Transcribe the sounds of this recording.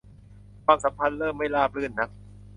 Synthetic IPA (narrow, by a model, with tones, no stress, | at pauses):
kʰwaː˧msa˨˩˦mpʰa˧nlɤː˥˩mːa˥˩jlaː˥˩p̚ʰlɯː˥˩nːa˦˥k̚